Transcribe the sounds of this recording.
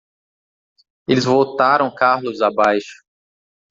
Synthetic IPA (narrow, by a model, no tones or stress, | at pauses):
elɪzvot̪aɾɐ̃w̃kaɾlʊzabajʃʊ̥